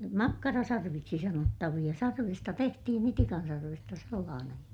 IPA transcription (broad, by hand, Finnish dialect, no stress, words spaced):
mɑkːɑrɑsɑrʋiksi sɑnotːɑʋij̆ɑ sɑrʋistɑ tehtihin itikɑn sɑrʋestɑ selːɑːnej jɑ